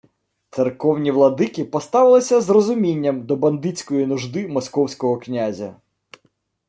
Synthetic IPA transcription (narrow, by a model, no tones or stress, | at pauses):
t̪serkɔwnʲiʋlˠɐd̪ɪkipɔst̪ɑʋɪlˠɪsʲɐzrɔzʊmʲinʲːɐmd̪ɔbɐnd̪ɪt͡sʲkɔjinʊʒd̪ɪmɔskɔwsʲkɔɦɔknʲazʲɐ̰